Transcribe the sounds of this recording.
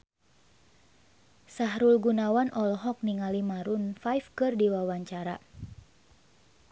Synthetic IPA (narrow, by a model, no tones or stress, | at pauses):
saɦɾulɡunawanʔɔlɦɔk̚niŋalimaɾunfajfkɨrdiwawaɲt͡ʃaɾa